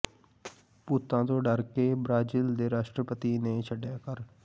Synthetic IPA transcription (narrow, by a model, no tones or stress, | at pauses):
pʊt̪ːãːt̪õːɖəɾkeːbɾaːd͡ʒiːld̪eːɾaːʃʈɾəpət̪ineːt͡ʃʰəɖjaːkəɾ